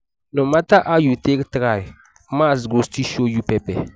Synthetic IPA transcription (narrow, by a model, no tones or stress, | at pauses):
nomataʔajuteɡtɨɣa | maːzɡostiʃojupɛpɛ